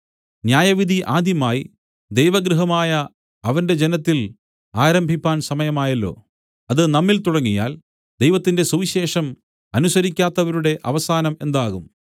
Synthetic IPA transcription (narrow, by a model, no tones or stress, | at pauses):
njaːjɐʋid̪ʱiʔaːd̪ʱjɐmaːji | d̪ejʋɐɡɾuɦɐmaːjɐː | ʋɐnde̞d͡ʑenɐt̪ːil | aːɾɐmbʱipʲːaːnsɐmɐjɐmaːjɐlːo̞̰ː | ɐðɨnɐmːilt̪uɽɐŋːija̰ːl | d̪e̞jʋɐt̪ːinde̞suʋiɕe̞ːʂɐm | ɐnusɐɾikʲːaːt̪ːɐʋɐɾuɽe̞ʔɐʋɐsaːnɐme̞nd̪aːɣum